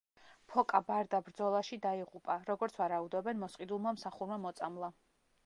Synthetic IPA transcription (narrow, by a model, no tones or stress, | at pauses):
pʰɔkʼabaɾd̪abɾd̪zɔlˠaʃid̪aiʁupʼaɾɔɡɔɾt̪sʰvaɾaud̪ɔbɛnmɔsqʼid̪ulˠmamsaχuɾmamɔt̪sʼamlˠa